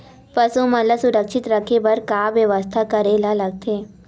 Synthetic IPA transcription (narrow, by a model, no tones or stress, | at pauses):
pɐsumɐləsʊɾəkʃɪt̪ɾɐkʰebɐɾkaːʋjɐʋəst̪ʰakɐɾelalɐɡ̚t̪ʰeː